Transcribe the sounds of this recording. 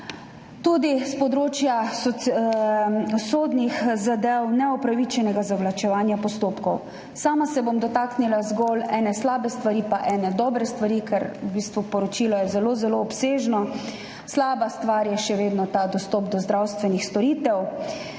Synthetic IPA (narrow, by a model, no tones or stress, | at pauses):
t̪ud̪ispɔd̪ɾoːt͡ʃjasɔ | soːd̪nixzad̪ɛwnɛɔpɾaʋit͡ʃɛnɛɡazaʋlat͡ʃɛʋaːnjapɔst̪oːpkɔw | saːmasɛbomd̪ɔt̪aknilazɡɔlɛːnɛslaːbɛst̪ʋaɾiːpaʔɛːnɛd̪ɔːbɾɛst̪ʋaɾikɛɾubiːst̪ʋupɔɾɔt͡ʃiːlɔjɛzɛlozɛloːpseːʒnɔ | slaːbast̪ʋaɾjɛʃɛʋeːd̪nɔt̪ad̪ɔst̪ɔp̚d̪ɔzd̪ɾawst̪ʋɛnixst̪ɔɾiːt̪ɛw